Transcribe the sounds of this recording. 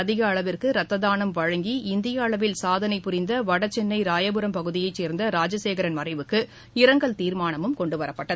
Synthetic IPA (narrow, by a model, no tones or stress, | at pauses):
ɐðɪɣɐːɭɐʋɪrkɯɾɐt̪ːɐðaːnɐmʋɐɻɐŋɡiɪnd̪ɪjɐːɭɐʋɪlsaːðɐnɐɪpːʊɾɪnd̪ɐʋɐɽɐt͡ʃːɛnːɐɪɾaːjɐbɯɾɐmpɐɣɯðɪjɐɪt͡ʃːeːɾnd̪ɐɾaːd͡ʒɐseːɣɐɾɐnmɐrɐɪʋɯkːɯ | ɪɾɐŋɡɐɭt̪iːɾmaːnɐmɯmkɔɳɖɯʋɐɾɐpːɐʈːɐð